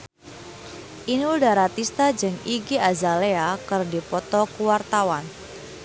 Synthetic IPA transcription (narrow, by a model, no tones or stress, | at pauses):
ʔinudaɾat̪ist̪ad͡ʒɨŋiɡiazaleakɨrdipɔt̪ɔkuwart̪awan